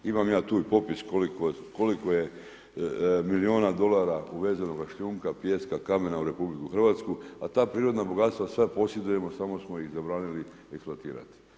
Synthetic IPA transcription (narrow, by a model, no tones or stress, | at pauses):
imamjaːt̪uːipo̞piskolikoko̞likoje | milio̞ːnad̪o̞lˠaɾauʋe̞ːzanoɡaʃʎuːŋkapje̞ːskakame̞nauɾe̞publikuxr̩ʋat̪skuat̪aːpɾiːɾo̞d̪naboɡat̪st̪ʋasʋepo̞sjed̪uje̞mo̞samo̞smo̞jixzabɾaːnili | ekspluat̪ḭːɾa̰t̪i̥